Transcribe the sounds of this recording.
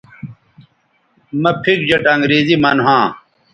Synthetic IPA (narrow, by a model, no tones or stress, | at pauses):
mɐpʰik̚d͡ʑɐʈaŋɡɾiːzimaːnɦãː